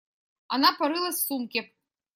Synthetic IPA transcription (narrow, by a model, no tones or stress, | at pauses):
a̰napɐɾɨlˠɐsːumkʲe